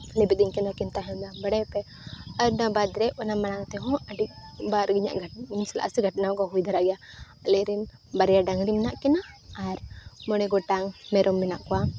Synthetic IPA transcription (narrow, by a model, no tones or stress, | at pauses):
lɛbit̪̚iɲkɛnakint̪aɦɛnd̪aŋbaɽɛpɛ | aɾnabad̪ɾɛʔɔnamaɽaŋt̪ɛɦɔ̃aɖik̚baɾɡiɲa̰ʔɡʱaisɛla̰ʔasiɡʱaʈnakaɦujd̪ʱaɾaɡja | alɛɾin | baɾɛjaɖaŋɾimnaʔkɛnaːɾmɔɽ̃ɛɡɔʈaŋmɛɾʔɔmːɛnaʔkɔwa